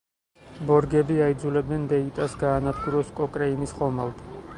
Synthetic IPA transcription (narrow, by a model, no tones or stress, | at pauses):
bɔɾɡɛbiaid̪zulɛb̪ɛnd̪ɛit̪ʼasɡaːnad̪ɡuɾɔskʼɔkʼɾɛinisχɔmalˠt̪ʰ